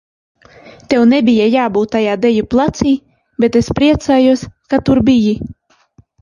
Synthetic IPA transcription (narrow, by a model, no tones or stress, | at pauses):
t̪ewnebʲijajaːbuːt̪ːajaːd̪ɛjuplˠat̪siː | bet̪espɾiɛt̪saːjuɔskat̪uɾbiji